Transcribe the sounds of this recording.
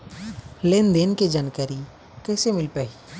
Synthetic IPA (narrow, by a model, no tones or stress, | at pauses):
leːnd̪eːnked͡ʒankəɾi | kɛːsemɪlpɛɦi